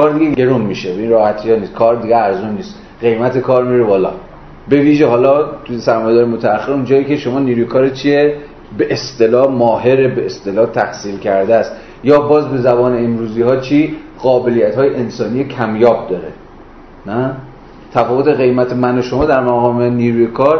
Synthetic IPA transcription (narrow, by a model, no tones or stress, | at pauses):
kʰɒːɾd̪iɡee̞ɾunmiʃebeiːnrɒːhæt̪ʰijɒːniːs̚kʰɒːɾd̪iɡeæɾzunːiːst̪ | ɢe̞jmæt̪ʰekʰɒːɾmiɾebɒːlɒ̰ː | be̞viːʒehɒːlɒːt̪ʰujesæɾmɒːjed̪ɒːɾemot̪ʰææχːeɾund͡ʒɒːiːcʲʰe̞ʃo̞mɒːniːɾuːjekʰɒːɾet̪t͡ʃʰie | be̞ʔːst̪e̞lɒːhmɒːɦe̞ɾebeːst̪e̞lɒːt̪ʰæhsiːlcʰæɾd̪eæst̪ | jɒːbɒːzbe̞zæbɒːneemɾuːziːhɒːt͡ʃʰiːɢɒːbe̞lijæt̪hɒːjeʔensɒːniːjekʰæmjɒːb̚d̪ɒːɾe | næ | t̪ʰæfɒːvot̪ʰe̞ɣe̞jmæt̪ʰemænoʃomɒːd̪æɾmæɣɒːmeniːɾuːjekʰɒːɾ